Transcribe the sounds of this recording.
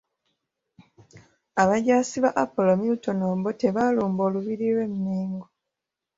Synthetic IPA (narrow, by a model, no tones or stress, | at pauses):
aβaɟaːsiβaʔapo̞lomiuto̞noːbote̞βaluːmbo̞ːluβiɾilwe̞mneːŋɡo